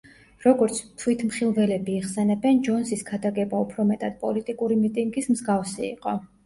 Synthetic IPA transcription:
ɾɔɡɔɾt̪sʰt̪ʰwit̪ʰmχilˠvɛlɛbiːχsɛnɛbɛnd͡ʒɔnsisɡad̪aɡɛbaupʰɾɔmɛt̪ʼad̪̥̚pʼɔlit̪ʼikʼuɾimit̪ʼiŋɡismzɡafsiḭqʼɔ

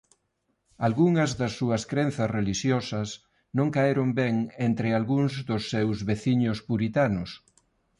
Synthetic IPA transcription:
alɣuŋɐzðɐsːuɐskɾenθɐsreliʃjɔsɐs | nõŋkaeɾombɛŋent̪ɾɪalɣuŋzðʊsːewzβeθiɲʊspuɾit̪anʊs

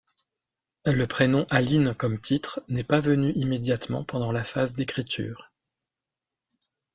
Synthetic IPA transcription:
ləpχenɔ̃ʔalinkɔmt̪ʰit̪χnɛpavənyʔimed̪jat̪mɑ̰̃pɑ̃d̪ɑ̃lafazd̪ekχit̪ʰy̰ːʁ

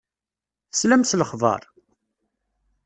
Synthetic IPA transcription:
θslæmsləχvɑ̰ɾˤ

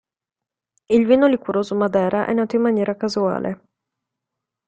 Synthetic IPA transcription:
ilviːnolikuɾoːzomad̪ɛːɾaʔɛ̰nːaːt̪oimːanjɛːɾakazua̰ːlʔḛ

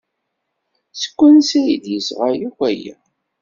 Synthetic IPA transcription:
sə̥kʷːənsæjid̪jəsʁajikʷæja̰

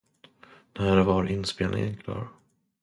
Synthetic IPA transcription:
næːɾvaɾɪnːspeːlnɪ̰ŋənkʰlɑ̰ːɾ

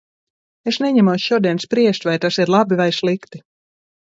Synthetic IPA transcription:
esnɛɲɛmawsʃuɔd̪iɛnspɾiɛʃt̪ʲvajt̪asiɾlˠabivajslˠikt̪i

